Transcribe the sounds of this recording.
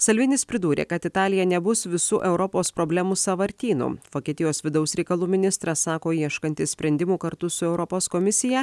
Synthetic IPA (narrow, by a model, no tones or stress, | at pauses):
sɐlʲʋʲɪnʲɪspʲɾʲɪd̪uːɾʲḛːkɐt̪ɪt̪ɑːlʲɪjɛnʲɛbʊsʋʲɪsuːʔɛʊɾɔpoːspɾɔːbʲlʲɛmuːsɐʋɐɾʲt̪ʲiːnṵːʋoːkʲiɛt̪ʲɪjoːsʋʲɪd̪ɐʊsɾʲɛɪkɐlˠuːmʲɪnʲɪst̪ɾɐssɑːkoːiɛʃkɐnʲt̪ʲɪsʲpʲɾʲɛnʲd̪ʲɪmuːkɐɾt̪ʊsʊɛʊɾɔpoːskɔmʲɪsʲɪjɛ